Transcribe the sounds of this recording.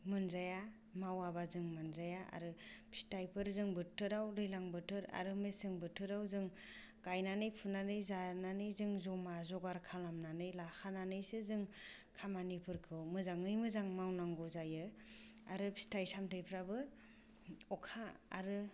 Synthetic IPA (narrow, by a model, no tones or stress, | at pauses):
mɯnzaja | mawabazɯŋmɯnzajaa̰ɾɯpʰi̥stajpʰɯɾzɯŋbɯtʰɯɾawɾɯjlaŋbɯtʰɯɾa̰ɾɯmesɯŋbɯtʰɯɾawzɯŋ | kajnanɯjpʰunanɯjzananɯjzɯŋzɔmazɔɡaɾkʰalamnanɯjlaxʰananɯjsɯzɯŋkʰamanipʰɯɾkʰɯwmɯzaŋɯjmɯzaŋmawnaŋɡɔzajɯ | aɾɯpʰi̥stajsamtʰɯjpʰɾabɯ | ɔkʰa̰ːɾɯ